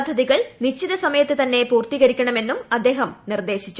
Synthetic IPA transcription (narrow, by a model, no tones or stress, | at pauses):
d̪ʱːɐðiɣɐɭniɕt͡ɕːiðɐsɐmɐjɐt̪ːɨt̪ɐnːe̞puːrt̪iɣɐɾikʲːɐɳɐme̞nːumɐd̪ːe̞ːɦɐmnird̪e̞ːɕit͡ɕːu